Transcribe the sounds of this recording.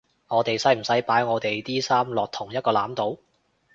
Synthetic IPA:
ŋɔː˨˧t̪e˨jsɐ˨˥jm̩˨˩sɐ˨˥jpaː˨˥jŋɔː˨˧t̪e˨jt̪iː˥saː˥mlɔː˨k̚t̪ʰʊ˨˩ŋjɐ˥t̚kɔː˧laː˨˥mt̪o˨˥w

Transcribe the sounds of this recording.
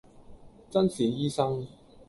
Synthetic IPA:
t͡sɐ˥nsiː˨njiː˥sɐ˥ŋ

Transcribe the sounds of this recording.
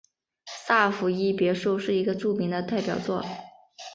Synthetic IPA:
sa˥˩fu˧˥i˥˩pjɛ˧˥ʂu˥˧ʊʂɻ̩˥˩i˧˥ɡə˧ʈ͡ʂu˥˩mi˧˥ŋd̪ə˧t̪a˥˩ɪpjɑ˨˩ʊt͡swɔ˥˩

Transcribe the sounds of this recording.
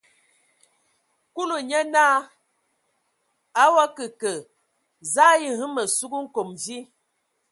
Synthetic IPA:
ku˦lu˨ɲə˦na˦ | a˦wa˦kə˨kə˨ | za˦ji˦˨hɨ˦mə˨su˦ɡu˦ŋ̩˦ko˨mvi˦

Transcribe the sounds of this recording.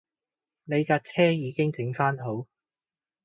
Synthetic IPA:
ne˨˧jkaː˧t͡sʰɛː˥jiː˨˧kɪ˥ŋt͡sɪ˨˥ŋfaː˥nɦo˨˥w

